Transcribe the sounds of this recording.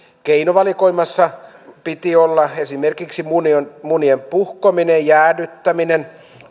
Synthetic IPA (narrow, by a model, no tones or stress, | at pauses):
keinoʋɑlikoimːɑsːɑ | pit̪iolːɑesimerkiksimuniomuniempuhkominejjæːnyt̪ːæminen